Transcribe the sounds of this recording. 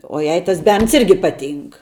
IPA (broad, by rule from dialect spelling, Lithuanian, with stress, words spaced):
oː ˈjɛɪ tɐs ˈbʲɛrns ˈɪrʲɡʲɪ ˈpɑːˌtʲiːŋk